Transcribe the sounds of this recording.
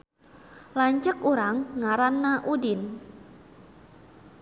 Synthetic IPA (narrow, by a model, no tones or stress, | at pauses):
laɲt͡ʃəkuɾaŋːaɾanːaʔudɪn